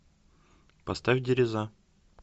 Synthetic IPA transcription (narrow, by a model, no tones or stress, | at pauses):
pɐst̪afʲdʲɪɾʲɪza